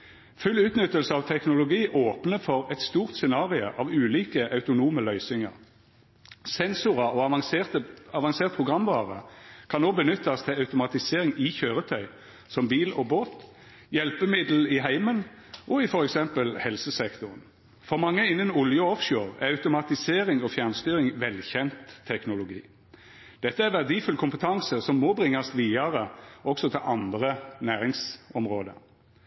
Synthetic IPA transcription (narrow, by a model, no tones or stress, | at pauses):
fʉlʉːt̪nʏt̪ːəlsəɑːʋt̪ʰɛknʊlʊɡiːʔoːpnəfɔʁɛt̪st̪uːʁt̪sɛnɑːʁɪʊ̰ʔɑːʋʉːliːkəʔɑʉt̪ʊnuːməlœʏsɪŋɑ̰ʁ | sɛnsʊʁɑʔoɑɑt̪əɑʋɑŋseːʁt̪̚pʰʁʊɡʁɑmʋɑ̰ːʁə̰kʰɑnoːbənʏt̪ːɑst̪ʰɪlɑʉt̪ʊmɑt̪ɪseːʁɪŋɪçøːʁət̪ʰœʏ | sɔmbiːlɔboːt̪ | jɛlpəmɪd̪l̩ɪɦæɪmən | ʔɔɪfɔɾɛksɛmpəlhɛlsəsɛkt̪ʊʁn | fɔʁmɑŋːəɪnːənʊljəɔfʃoːʁæɑʉt̪ʊmɑt̪ɪseːɾɪŋɔfjænst̪yːɾɪŋʋɛlçɛnt̪ʰːɛknʊlʊɡḭː | d̪̥ɛt̪ːəæɾʋæʁd̪iːfʉləkʰʊmpət̪ʰɑŋsəsɔmːɔbʁɪŋːɑsʋiːɑʁəʔɔksɔt̪ʰɪlʔɑnd̪ʁənæːʁɪŋsɔmʁoːd̪ə̰